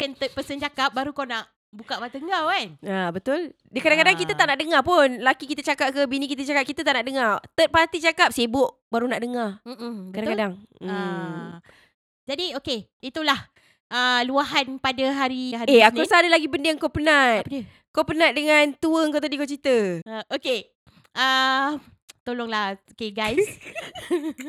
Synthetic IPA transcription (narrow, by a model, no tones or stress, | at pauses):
kənt̪ət̪̚pəsənt͡ʃakap̚baɾukawnaʔ | bukaʔvat̪əŋɡawkanabət̪ʊl | dəkadaŋkadaŋkit̪ət̪aʔnaʔdəŋapʊnlakikit̪ət͡ʃakap̚kəbinikit̪ət͡ʃakap̚kit̪ət̪aʔnaʔdəŋat̪ət̪̚pat̪it͡ʃakap̚sebʊʔ | baɾunaʔdəŋarm̩əkadaŋkadaŋ̩ | d͡ʒadioke | it̪ulah | ʔəluaɦanpadaɦaɾihaeaosaadəlaɡibəndeaŋkopənat̪̚ | kopənãt̪̚dəŋãnt̪uəəŋkot̪adikot͡ʃit̪əəʔoke | ə | t̪olɔŋlahokeɡajs